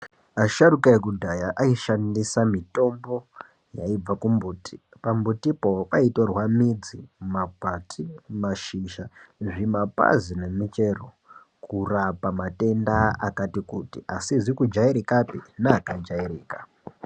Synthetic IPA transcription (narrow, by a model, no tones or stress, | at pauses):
aʃaɾukaekudʱajaʔaiʃandisamito̞mbo̞ | jaib͡vakumbuːtʰi̥ | pambutipo̞paitorwamid͡zimapatʰimaʃiʃaʐimapa̰zine̞mit͡ʃe̞ro | kurapamate̞ndaakatikutiʔasiʐikud͡ʒaiɾikapinaːkad͡ʒaiɾiːka